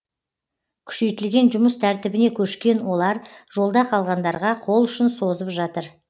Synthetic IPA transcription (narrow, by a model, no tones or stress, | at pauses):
kʲʰʏ̥ʃe̞jt̪ɪlɡʲe̞nʒʊməst̪ʰæɾt̪ɪbɪne̞kʲʰɵʃkʲe̞nwo̞lˠɑɾʒ̥o̞lˠd̪ɑqʰɑlˠʁɑnd̪ɑɾʁɑqʰo̞lˠʏʃɪnso̞zəpʒɑt̪əɾ